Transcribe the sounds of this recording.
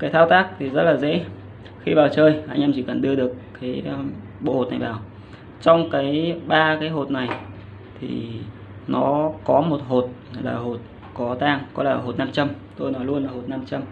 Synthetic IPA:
kaː˨˦t̪ʰaː˧wt̪aː˦˥k̚t̪ʰi˨˩zə˦˥t̚laː˨˩zḛ˧˥ | xi˧vaː˨˩wt͡ɕəː˧˩jhaː˧jŋ̟ʔaː˧mt͡ɕi˧˩kə˨˩nɗɨ˧əɗɨ˨˩əkːaː˨˦j | ɓo̰˧˨ho˨˩t̚na˨˩jvaː˨˩w | t͡ɕɔ˧wŋ͡mkaː˨˦jɓaː˧kaː˨˦jɦo˨˩t̚na˨˩j | t̪ʰḭ˨˩ | nɔ˨˦kɔ˨˦mo˨˩t̚ɦo˨˩t̚la̰ː˨˩ɦo˨˩t̚ | kɔ˨˦t̪aː˧ŋkɔ˨˦laː˨˩ɦo˨˩t̚na˧mt͡ɕə˧mt̪o˧jnɔ˨˦jlu˧ənlaː˨˩ho˨˩t̚na˧mt͡ɕa˧m

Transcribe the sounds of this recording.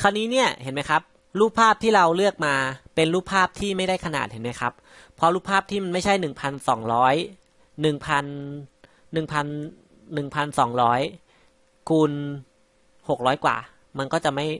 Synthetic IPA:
kʰaː˧nːiː˦˥ni˥˩ɐhe˩˦nma˦˥jkʰa˦˥p̚ | ɾuː˥˩k̚pʰaː˥˩p̚t̪ʰiː˥˩ɾa˧wlɯ˥˩ək̚maː˧pe˧nɾuː˦˥˩pʰːaː˥˩p̚t̪ʰiː˥˩ma˥˩jda˥˩jkʰa˧na̰ː˨˩t̪̚he˩˦nma˦˥jkʰa˦˥pʰː | ɔ˦˥ɾuː˦˥˩pʰːaː˥˩p̚t̪ʰiː˥˩ma˧nma˥˩jt͡ɕʰa˥˩jnɯ˨˩ŋpʰa˧nsɔ̰ː˩˦ŋɾɔː˦˥j | nɯ˨˩ŋpʰa˧nː | ɯ˨˩ŋpʰa˧nː | ɯ˨˩ŋpʰa˧nsɔː˩˦ŋɾɔː˦˥j | kʰuː˧n | ho˨˩k̚ɾɔː˦˥jkwa̰ː˨˩ | ma˧nkɔː˥˩t͡ɕa˨˩ma˥˩j

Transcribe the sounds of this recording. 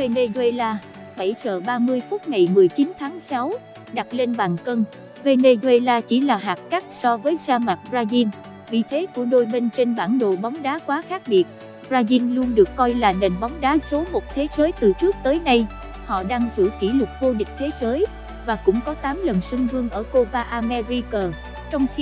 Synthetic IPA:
ve˧ne˧zwe˧laː˧ | ɓə˧˩jt͡ɕə̰ː˧˨˩ɓaː˧mɨ˧əjfʊ˦˥t̚ŋa˨˩jmɨ˨˩əjt͡ɕi˨˦nt̪ʰaː˨˦ŋsa˨˦w | ɗa˨˩t̚le˧nɓaː˨˩ŋkə˧n | ve˧ne˧zwe˧laː˧t͡ɕi˧˩laː˨˩ɦaː˨˩t̚ka˦˥t̚sɔ˧vəː˨˦jzaː˧maː˨˩t̚zaː˧zi˧n | vḭ˨˩t̪ʰe˨˦ku˧˩əɗo˧jmi˧ŋ̟t͡ɕe˧nɓaː˧˩nɗo̰˧˨ɓa˨˦wŋ͡mɗaː˨˦kwaː˨˦xaː˦˥k̚ɓi˨˩ət̚ | zaː˧zi˧nlu˧ənɗɨ˨˩əkːɔ˧jlaː˨˩ne˨˩nɓa˨˦wŋ͡mɗaː˨˦so˨˦mo˨˩t̚t̪ʰe˨˦zəː˨˦jt̪ɨ˨˩t͡ɕɨ˦˥ək̚t̪əː˨˦jna˧j | hɔ̰˧˨ɗaː˧ŋzɨ̰˧˩ki˧˩lʊ˨˩t̚vo˧ɗï˨˩k̟̚t̪ʰe˨˦zəː˨˦j | vaː˨˩kʊ̰˧˥ŋ͡mkɔ˨˦t̪aː˨˦mlə˨˩nsɨ˧ŋvɨ˧əŋʔəː˧˩ko˧vaː˧ʔaː˧mɛ˧zi˧kəː˨˩ | t͡ɕɔ˧wŋ͡mxi˧

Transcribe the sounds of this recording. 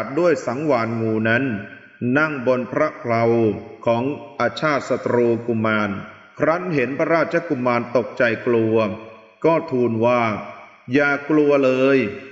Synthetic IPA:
t̪̚du˥˩əjsa˩˦ŋwaː˨˩˦nŋuː˧na˦˥nː | a˥˩ŋbo˧npʰɾa˦˥kʰla˧wkʰɔː˩˦ŋʔa˧t͡ɕʰaː˥˩t̪̚sa˧t̪ɾuː˧ku˨˧˩mːaː˧n | kʰɾa˦˥nɦe˩˦npʰa˧ɾaː˥˩t̪̚t͡ɕʰa˧ku˧˩mːaː˧nt̪o˨˩k̚t͡ɕa˧jklu˧ɐ | kɔː˥˩t̪ʰuː˧nwaː˥˩ | jaː˨˩klu˧ɐlɤː˧j

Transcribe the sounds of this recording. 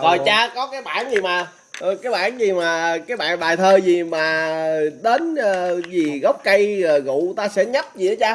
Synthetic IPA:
kɔ˨˩t͡ɕaː˧kɔ˨˦kaː˨˦jɓa̰ː˧˨nzi˨˩maː˨˩˨ | kaː˨˦jɓa̰ː˧˩nzi˨˩maː˨˩kaː˨˦jɓa̰ː˧˨nɓaː˨˩jt̪ʰəː˧zi˨˩maː˨˩ɗe˨˦nə˨˩zi˨˩ɣə˦˥wk͡p̚kə˧jɣṵ˧˨t̪aː˧sɛ̰˧˥ɲə˦˥p̚zḭ˧˥ə˦t͡ɕaː˧

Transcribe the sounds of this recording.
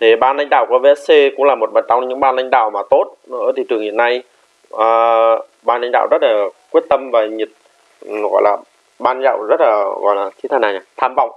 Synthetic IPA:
t̪ʰi˨˩ɓaː˧nla˧ŋ̟ɗa̰ː˧˨wku˧˩əve˧ɛ˦˥sse˧kʊ̰˧˥ŋ͡mlaː˨˩mo˨˩t̚ɓə̰˧˨˩nt͡ɕɔ˧ŋ͡mɲɨ̰˧˥ŋɓaː˧nla̰˧jŋ̟ɗa̰ː˧˨wmaː˨˩t̪o˦˥t̚nɨ̰˧˥ət̪ʰi˨˩t͡ɕɨ˨˩əŋhḭ˧˨əna˧j | ʔəː˨˩ | ɓaː˧nla˧jŋ̟ɗa̰ː˧˨wzə˦˥t̚laː˨˩kwət̚t̪ə˧mvaː˨˩ɲi˨˩t̚ | ɣɔ̰˧˨jlaː˨˩ | ɓaː˧nza̰ː˧˨wzə˦˥t̚laː˨˩ɣɔ̰˧˨jlaː˨˩t̪ʰi˧˦t̪ʰaː˧˩naː˨˩ɲaː˨˩t̪ʰaː˧mvɔ̰˧˨wŋ͡m

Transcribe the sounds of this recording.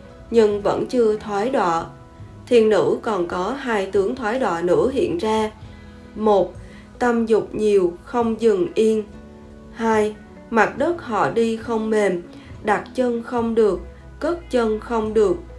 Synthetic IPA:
ɲɨ˧ŋvə̰˧˥nt͡ɕɨ˧ət̪ʰwaː˨˦jɗwa̰ː˧˨ | t̪ʰi˨˩ənːɨ̰˧˥kɔ˨˩nkɔ˨˦ɦaː˧jt̪ɨ˨˦əŋt̪ʰwaː˨˦jɗwa̰ː˧˨nɨ̰˧˥ɦḭ˧˨ənzaː˧ | mo˨˩t̚ | t̪a˧mzʊ˨˩k͡p̚ɲi˨˩əwxə˧wŋ͡mzɨ˨˩ŋʔi˧ən | haː˧j | ma˨˩t̚ɗə˦˥t̚hɔ̰˧˨ɗi˧xə˧wŋ͡mme˨˩m | ɗa˨˩t̚t͡ɕə˧nxə˧wŋ͡mɗɨ˨˩ək̚ː | ə˦˥t̚t͡ɕə˧nxə˧wŋ͡mɗɨ˨˩ək̚

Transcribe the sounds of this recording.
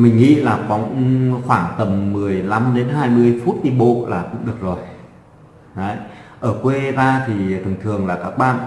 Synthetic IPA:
mï˨˩ŋ̟ŋḭ˧˨laː˨˩xa˨˦wŋ͡mxwaː˧˩ŋt̪ə˨˩mːɨ˨˩əjla˨˧˦mɗe˨˦nɦaː˧jmɨ˧əjfu˦˥t̚t̪i˧mɓo̰˧˨laː˨˩kʊ̰˧˥ŋ͡mɗɨ˨˩ək̚zo˨˩j | ɗə˨˦jʔəː˧˩kwe˧zaː˧t̪ʰi˨˩t̪ʰɨ˨˩ŋt̪ʰɨ˨˩əŋlaː˨˩kaː˦˥k̚ɓa̰ː˧˨n

